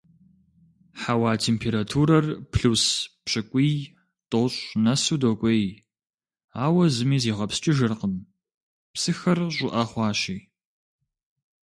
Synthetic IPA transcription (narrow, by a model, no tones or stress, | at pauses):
ħawaːtʰeːmpʰeːɾatʰuːɾɐrpʰɬuspɕɨkʷʼiː | tʼoːɕʼnɐsuːdokʷʼej | aːwɐzɨmiːziːʁɐpst͡ʃʼɪʒɨrqəm | psɨxɐrɕʷʼʊʔɐχʷɑːɕiː